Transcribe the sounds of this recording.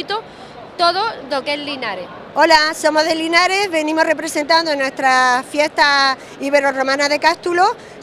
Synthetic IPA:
t̪o | t̪oðoðokelinaɾe | o̞laso̞mo̞ɦðelinaɾe̞βe̞nĩmore̞pɾe̞sẽ̞nt̪and̪onwe̞st̪ɾafje̞st̪a | iβe̞ɾoro̞mãnaðe̞kast̪ulo

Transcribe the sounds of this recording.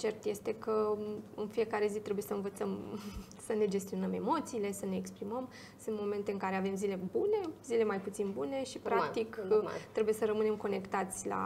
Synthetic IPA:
t͡ʃe̞rt̪je̞st̪e̞kəɨnfije̞kaɾe̞zit̪ɾebuje̞səɨnvət̪səm | səne̞d͡ʒe̞st̪io̞nəme̞mo̞t̪siːle̞səne̞ːkspɾiməm | sɨnt̪mo̞me̞nt̪eɨŋkaɾe̞ave̞mzile̞bune̞zile̞majput̪sinbune̞ʃipɾat̪ikt̪ɾebuje̞səɾəmɨne̞mko̞ne̞kt̪at̪sʲla̰

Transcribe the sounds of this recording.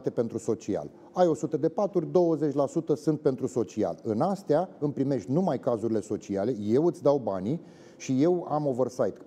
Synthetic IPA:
t̪e̞pe̞nt̪ɾuso̞t͡ʃia̰l | ajo̞sut̪əd̪e̞pat̪urʲd̪o̞wəze̞t͡ʃʲlasut̪əsɨnt̪̚pe̞nt̪ɾuso̞t͡ʃia̰lɨnast̪eaɨmpɾime̞ʃt̪ʲnumajkazuɾile̞so̞t͡ʃiale̞je̞wɨt̪sʲd̪awbani | ʃije̞wa̰mo̞vərsajt̪

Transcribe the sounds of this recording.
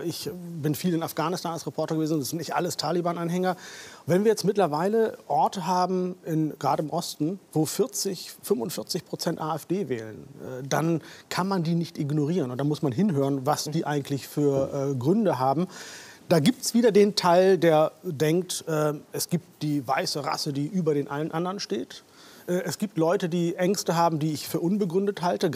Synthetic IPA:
ʔɪçbɪnfiːlɪnafɡ̥aːnɪstʰaːnalsʁ̥epʰɔɐtɐɡəveːznʊntsɪntnɪçtʔa̰ləstʰaːlibaːnʔanɦɛŋɐvɛnviːɐjɛt͡stmɪtlɐvaɪləʔɔɐtəɦaːbm̩ɪnɡ̥ʁaːɾəɪmʔɔstn̩voːfɪɐt͡sɪçfʏmvʊntfɪɐt͡sɪçpʁ̥ot͡sɛntʔaːɛfd̥eːvɛːlənʔɛ̰ːdankʰanmandiːnɪçtʔɪɡnoʁ̞iːʁənʊntd̥anmʊsmanɦɪnɦøːʁənvasd̥iːʔaɪɡŋ̩tʰlɪçfyːɐʔɛɡʁʏndəɦaːbm̩d̥aːɡiːp̚tɛ̥sv̥iːdɐdeːntʰaɪldeːɐdɛŋk̚tʔɛːʔɛsɡ̥iːp̚td̥iːva̰ɪsəʁa̰sədiːʔyːbɐɾeːnʔalənʔandəʁənʃteːt | ʔɛʔɛsɡ̥iːp̚tlɔʏtədiːʔɛŋstəɦaːbm̩diːɪçfyːɐʔʊnbəɡʁʏndəthaltə

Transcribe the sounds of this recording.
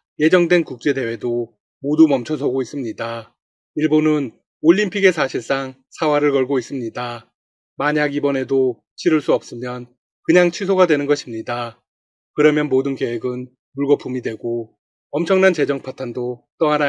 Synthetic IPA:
je̞d͡ʑʌŋdwe̞nkuk̚t͡ɕ͈e̞de̞we̞do | modumʌmt͡ɕʰʌs̬ʰʌɡois͈ɯmɲida | iɭbonɯn | oʎːimpʰiɡe̞sʰaɕʰiɭs͈aŋ | sʰawaɾɯɭkʌɭɡois͈ɯmɲida | maɲaɡibʌne̞do | t͡ɕʰiɾɯɭs͈uʌp̚s͈ɯmjʌn | kɯɲaŋt͡ɕʰisʰoɡadwe̞nɯnɡʌɕʰimɲida | kɯɾʌmjʌnmodɯnke̞weɡɯn | muɭɡʌpʰumidwe̞ɡo | ʌmt͡ɕʰʌŋnant͡ɕe̞d͡ʑʌŋpʰatʰandot͈ʌɦaɾa

